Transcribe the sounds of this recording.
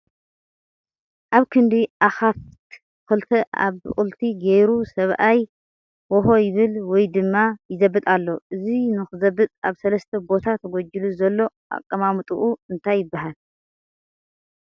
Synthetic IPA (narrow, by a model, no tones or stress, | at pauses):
ʔaβkʰɨnd̪iʔaxaf | kɨlt̪ʰɐʔa̰βχʼɨlt̪ʰiɡejɾusɐβʔaj | wɔɦo̞jɪβɨlwɔjd̪ɨmːajɪzɐbːɨt̪ʼalːo̞ʔɨzinɨxɨzɐbːɨt̪ʼaβsɐlɐst̪ʰɐbo̞t̪ʰat̪ʰɐɡod͡ʒiluzɐlːo̞ | ʔa̰kʼːɐmamt̪ʼuʔuɨnt̪ʰajːɪbːahal